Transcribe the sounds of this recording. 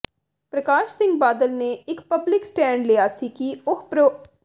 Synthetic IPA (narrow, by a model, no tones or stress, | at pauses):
pɾəkaːʃsɪ̃ŋɡ̚baːd̪əlneːɪkpəblɪksʈɛ̃ːɳɖleːaːsiːkiʊkʰpɾo